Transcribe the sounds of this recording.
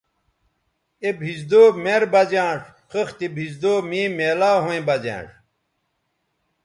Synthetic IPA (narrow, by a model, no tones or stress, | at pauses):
ebʱizd̪oːmeɾbɐd͡ʑãːʂ | xɐxt̪ibʱizd̪oːmĩːmeːlaːɦõẽbɐd͡ʑã̰ːʂ